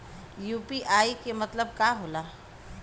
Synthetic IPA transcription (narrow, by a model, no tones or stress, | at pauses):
juːpiʔaːikemɐt̪ləb̚kaːɦoːlaː